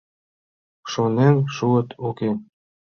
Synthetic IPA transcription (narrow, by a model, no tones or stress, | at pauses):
ʃonenʃuə̆t̪ʰoke